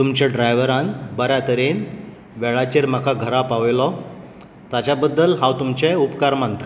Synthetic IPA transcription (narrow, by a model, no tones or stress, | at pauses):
t̪umt͡ɕaɖɾajʋəɾãnbəɾjat̪əɾen | ʋɛɭat͡ɕeɾm̤akaɡʱəɾapaʋlɔ | t̪at͡ɕabəd̪ːəlɦãwt̪umt͡ɕɛupkaɾmant̪ə̥